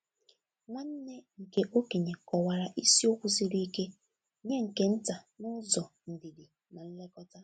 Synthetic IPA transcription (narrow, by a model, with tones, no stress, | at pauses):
ma˦n̩˦ne˦ŋ̩˨ke˦ʔo˦ke˨ɲe˨kɔ˨wa˨ɾa˨ʔi˦si˦o˦kʷu˦si˦ɾi˦i˦ke˦ | ɲe˦ŋ̩˨ke˦n̩˦ta˨nʊ˦zɔ˨ | n̩˨di˨di˨ | na˨n̩˦le˦kɔ˦ta˦